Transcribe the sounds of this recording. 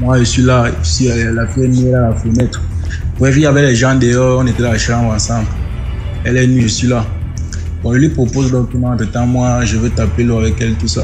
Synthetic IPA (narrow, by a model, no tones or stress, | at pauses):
mwaʒəsɥilasilafɛniɛlalafənɛt̪χbʁɛvijavɛlɛʒãd̪ɛjɔɔ̃net̪ɛlaʃãbʁãsãbl | ɛlɛniʒəsɥila | bɔ̃ʒəlwipχopozdɔ̃k̚tɔmãt̪ət̪ãmwaʒəvøt̪apeloavɛkɛlt̪usa̰